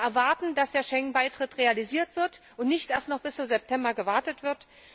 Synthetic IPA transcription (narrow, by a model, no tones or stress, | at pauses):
ʔɛɐvaɐtn̩d̥asd̥eːɐʃɛŋnbaɪtʁ̥ɪtʁealiziːɐtv̥ɪɐtʔʊntnɪçtʔeɐstnɔχb̥ɪst͡suzɛp̚tʰɛmbɐɡəvaɐtətv̥ɪɐt